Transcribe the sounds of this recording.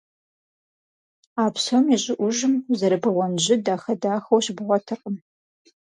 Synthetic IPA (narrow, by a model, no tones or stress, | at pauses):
aːpsɐmiɕʼɪʔʷʊʒɨmzɐɾɨbɨʁʷɔnʑɪdaːxɐdaːxowɕbɨʁʷɔtʰɨqʼəm